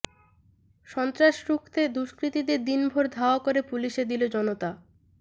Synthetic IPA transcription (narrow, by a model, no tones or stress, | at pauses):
ʃɔnt̪ɾaʃɾukʰt̪ed̪uʃkɾit̪id̪eɾd̪inbʱoɾd̪ʱaoakoɾepuliʃed̪ilod͡ʑɔnot̪a